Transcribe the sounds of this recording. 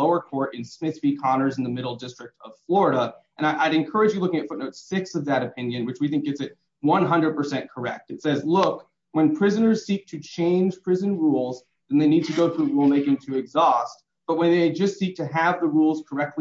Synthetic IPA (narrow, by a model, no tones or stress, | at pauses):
oʊə˞kʰɔɹɾɨ̃nsmɪθsb̥ikʰɑnə˞zn̩ðɨmɪɾl̩ˠdɪstɹ̥ɨk̚tʰʌv̥flɔɹəɾəʔɨ̃naɪʔaɪɾɨ̃nkʰɜ˞ɨd͡ʒjɨlʊkɪ̃ŋɨtfʊtⁿnoʊtsɪksʌvðɨɾɨpʰɪ̃njɨ̃nwɨt͡ʃwiθɪ̃ŋkɨtsɨt̚ | wʌ̃nɦʌ̃ndɹəd̚pʰə˞sɛ̃nkʰə˞ɛ̰k̚tɨtsɛzlʊk | wɨ̃npʰɹ̥ɪzɨnə˞z̥sik̚tʰɨt͡ʃʰẽɪ̃nʒ̥pʰɹ̥ɪzɨ̃nɹulˠz | ðɨ̃nðeɪnid̚tʰɨɡoʊθɹʉɹulˠmeɪkɪ̃ŋtʰɨɨɡzɔst̚ | b̥ʌt̚wə̃nðeɪd͡ʒʌstsik̚tʰɨɨvðəɹulˠz̥kʰə˞ɛk̚tʰˡ